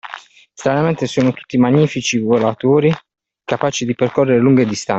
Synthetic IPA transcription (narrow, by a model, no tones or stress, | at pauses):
st̪ɾanament̪esuːnot̪u̥t̪ːimaɲːiːfit͡ʃivolat̪uːɾi | kapaːt͡ʃid̪iperkɔrːeɾeluŋɡed̪ist̪a